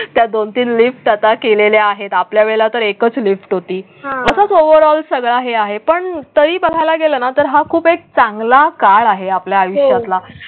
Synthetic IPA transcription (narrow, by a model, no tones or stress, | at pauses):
t̪jad̪ont̪iːnlifʈat̪akeleljaaɦet̪apljaʋeɭlat̪əɾekət͡slifʈɦot̪iː | əsət͡soʋəɾɔlsəɡɭaɦeaɦepəɳt̪əɾiːbəl̤ʱajlaɡelənat̪əɾɦakʰuːpek̚t͡sãŋɡlakaɭaɦeapljaːjuʂjat̪la